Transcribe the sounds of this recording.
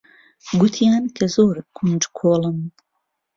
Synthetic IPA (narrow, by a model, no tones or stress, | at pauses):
ɡut̪ʰijaːnkʰɐzoːɾkʰund͡ʒkʰoːlˠɨm